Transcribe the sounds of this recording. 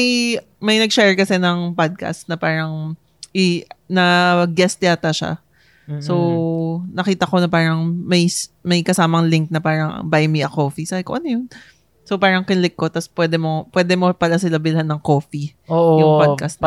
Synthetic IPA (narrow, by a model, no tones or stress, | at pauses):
ɐj | mɐjnɐɡ̚ʃɛɹkɐsɛnɐŋpad̪̚kɐ̰st̪̚nɐpaːɾɐŋ | ʔɪnɐɡɛst̪ɪjaːt̪ɐʃa̰ | sownɐkiːt̪ɐko̞nɐpaːɾɐŋmɐjsmɐjkɐsaːmɐŋliŋk̚nɐpaːɾɐŋ̰bajmiʔɐkoːfisaɪko̰ʔɐnojʊn | sopaːɾɐŋkɪnlɪkːo̞t̪ɐspwɛːd̪ɛmo̞pwɛd̪ɛmo̞pɐlasɪlɐbɪlɦanːɐŋko̞ːfioʔjʊŋpadkɐst̪̚